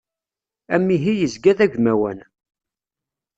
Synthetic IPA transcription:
æmːiɦijəzɡæðæʝʷmæwæ̰n

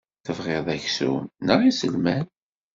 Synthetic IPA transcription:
θəvʁɪðˤæçsṵnəʁisə̰lmæn

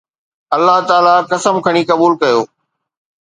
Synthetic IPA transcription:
ɐlːaɦt̪aːlakɐsəmkʰɐɽ̃ikɐbuːlkɐjoː

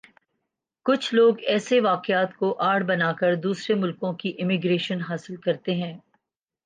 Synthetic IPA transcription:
kʊt͡ʃʰloːɡɛːseʋaːqɪaːt̪koʔaːɽbɐnaːkəɾd̪uːsɾemʊlkõkiʔɪmɪɡɾeːʃənɦaːsɪlkɐɾt̪eɦɛ̃ː

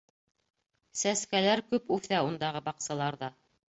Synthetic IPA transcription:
sæskælæɾkʉpʉθæund̪ɑʁɤbɑqsɑlˠɑɾðɑ

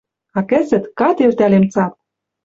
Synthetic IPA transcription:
ɑkɘ̆zɘ̆t̪kɑt̪ert̪ælemt͡sɑp̚

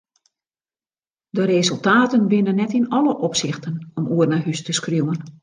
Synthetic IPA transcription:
dərezɵlˠtaːtənʋɪnənːɛtɪnɔləʔɔpsɪxtənɔmuərnaɦystəskruwən

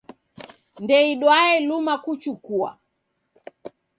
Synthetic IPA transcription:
ndɛiɗwaɛlumakut͡ʃukua̰

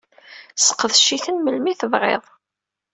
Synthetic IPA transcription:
sə̥qːəðʃiθənməlmiθəvʁḛðˤ

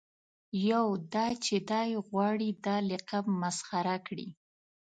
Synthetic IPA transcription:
jawd̪ɑt͡ʃed̪ɑjɣwɑɽid̪ɑlɪqabmasxaɾakɽḭ

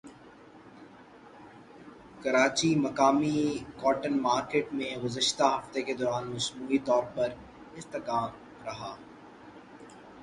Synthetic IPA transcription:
kɐɾaːt͡ʃimɐkaːmikɔːʈənmaːɾkeːʈmẽɡʊzəʃt̪aɦɐft̪eked̪ɔːɾaːnmɐsmuːit̪ɔːɾpɐɾ | ɪst̪əkaːm | ɾɐɦaː

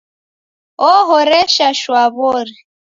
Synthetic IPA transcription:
ɔɦɔɾɛʃaʃwaβɔɾɛ

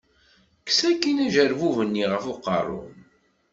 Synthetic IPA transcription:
kːsækːinæʒəɾvuvənːiʁəfoqə̰rˤːʊ̰n

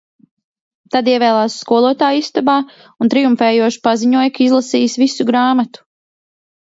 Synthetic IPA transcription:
t̪ad̪iɛvɛːlˠaːsːkuɔlˠuɔt̪aːjist̪abaː | unt̪ɾijumfɛːjuɔʃi̥paziɲuɔjkaizlˠasiːsvisuɡɾaːmat̪u̥

